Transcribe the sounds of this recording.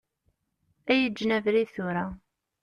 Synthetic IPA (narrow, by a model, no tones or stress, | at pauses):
æjəd͡ʒːnævɾiθʊɾa